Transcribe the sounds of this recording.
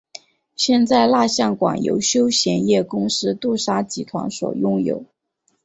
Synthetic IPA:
ɕjɛ˥˧nt͡sa˥˧ɪla˥˧ɕjɑ˥˩ŋkwa̰˨˩ŋjo̰˧˥ʊɕjo˥ʊɕjɛ˧˥njɛ˥˩kʊ˥ŋʂɻ̩˥t̪u˥˩ʂa˥t͡ɕi˧˨˥t̪ʰwa̰˧˥nswɔ̰˨˩jʊ˥ŋjo̰˨˩˦ʊ

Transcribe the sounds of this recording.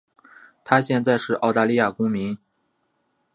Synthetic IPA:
t̪ʰa˥ɕjɛ˥˧nt͡sa˥˧ɪʂɻ̩˥˧ʔɑ˥˧ʊt̪a˥˧li˥˧ja˥˩kʊ˥ŋmi˧˥n

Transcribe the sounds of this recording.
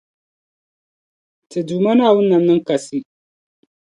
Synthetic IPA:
tɨ˨duː˨ma˦na˦˨wʊ˦nːa˨nːɨ˦ŋka˨si˦

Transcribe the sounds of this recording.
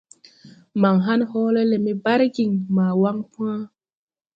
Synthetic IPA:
ma˨ŋɦa˦nhɔː˦le˦lɛ˨mi˦ba˦ɾɡi˨ŋmaː˨wa˦ŋpũ˦ã˦

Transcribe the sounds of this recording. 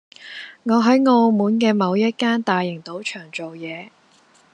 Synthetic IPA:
ŋɔː˨˧ɦɐ˨˥jŋo˧wmuː˨˥nkɛː˧mɐ˨˧wjɐ˥t̚kaː˥nt̪aː˨jɪ˨˩ŋt̪o˨˥wt͡ʃʰœː˨˩ŋt͡ʃo˨wjɛː˨˧

